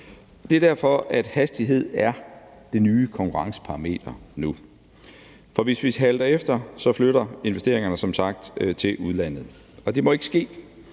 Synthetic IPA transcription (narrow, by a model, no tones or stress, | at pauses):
d̥e̝æɐd̥æɐfɒ̽æd̥hæsd̥iɦe̝ð̞̰ˠæɐ | d̥e̝nyːkʰɒ̽ŋkʰuʁɑ̈ŋsə̥pʰɑ̈ʁɑme̝̰ːd̥ɐnu | fɒ̽ʋe̝sʋiɦæld̥ɐefd̥ɐsɒ̽fløɾ̥ɐe̝nʋesd̥e̝ɐ̰eŋɐnəsɒ̽msɑ̈ɡ̥̚d̥t͡sʰe̝ʔuðˠlæn̰ð̞̩ˠ | ɒ̽d̥e̝mɒ̽e̝ɡ̥ə̥sɡ̥e̝̰ː